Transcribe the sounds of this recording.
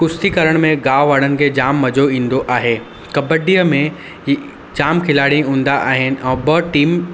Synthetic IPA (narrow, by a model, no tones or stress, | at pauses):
kʊst̪ikɐɾəɽ̃mẽɡaːʋʋaːɽ̤ənɪ̆kʰed͡ʑaːmːɐd͡ʑoĩːn̆d̪oʔaːɦeː | kɐbəɖiːəmẽ | d͡ʑaːmkʰɪlaːɽiĩɦũːn̆d̪aʔaːɦɪnɪ̆ʔɛ̃ːbɐʈiːm